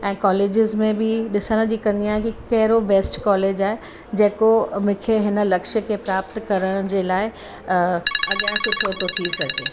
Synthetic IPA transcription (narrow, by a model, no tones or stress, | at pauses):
ɛ̃ːkɔːleːd͡ʑɪzmẽbɪɗɪsəɽ̃d͡ʑikɐ̃nd̪iaːɦekikɐɦɪɾobeːsʈkɔːleːd͡ʑaːɦe | d͡ʑeːkomʊ̃kʰeɦɪnə̆lɐkʃəkʰepɾaːpt̪kɐɾəɽ̃d͡ʑeːlaːɪ | ɐɠãːɦɪ̃sʊkʰot̪ot̪ʰisɐɡʱeː